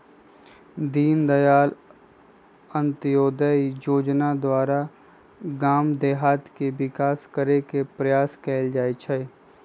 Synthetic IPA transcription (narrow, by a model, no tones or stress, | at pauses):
d̪iːnd̪ɐjaːl | ə̃nt̪joːd̪əjoːd͡ʒnad̪waːɾa | ɡaːmd̪eːɦaːt̪keʋɪkaːskəɾekepɾɐjaːskɛːld͡ʒaːet͡ʃʰɛ